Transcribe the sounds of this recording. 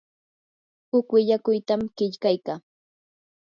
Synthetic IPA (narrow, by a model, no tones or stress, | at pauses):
hʊkwɪʎakʊjt̪amɢɪʎkajkaː